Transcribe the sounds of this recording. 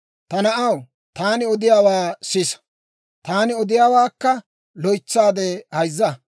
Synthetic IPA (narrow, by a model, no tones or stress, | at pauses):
t̪ɐnɐʔɐw | t̪aːnɪɔd̪ɪjaːwaːsɪs | t̪aːnɪɔd̪ɪjaːwaːkːɐ | lɔjt͡sːaːd̪ehɐjzːɐ